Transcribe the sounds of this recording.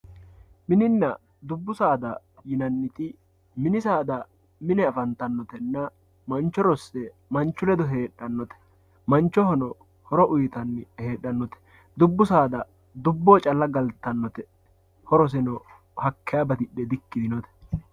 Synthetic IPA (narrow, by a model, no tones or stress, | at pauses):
mɪnɪnːɐ | d̪ʊbːʊsaːd̪ɐ | jɪnɐnːɪt̪ɪ | mɪnɪsaːd̪ɐ | mɪnɛɐfɐnt̪ɐnːɔt̪ɛnːɐ | mɐnt͡ʃːɔɾɔsːɛ | mɐnt͡ʃːʊlɛd̪ɔɦe̞ːᶑːɐnːɔt̪ɛ̥ | mɐnt͡ʃːɔhɔnɔ | hɔɾɔʔʊjɪt̪ɐnːhe̞ːɗːɐnːɔt̪ɛ̥ | d̪ʊbːʊsaːd̪ɐ | d̪ʊbːoːt͡ʃʼɐlːɐɡɐlt̪ːɐnːɔt̪ɛ | hɔɾɔs̬ɛnɔ | hɐkːɛjabɐt̪ɪɗːɛd̪ɪkːɪd̪ɪnɔt̪ɛ̥